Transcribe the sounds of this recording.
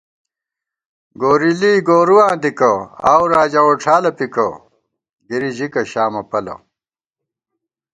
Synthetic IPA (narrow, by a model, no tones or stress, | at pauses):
ɡoːɾiliːɡoːɾuwãːnd̪ikɐa̰ːwɾaːd͡ʑɐoʈ͡ʂʰaːlɐpikɐ | ɡiɾiʑikɐɕaːmɐpɐlɐ̰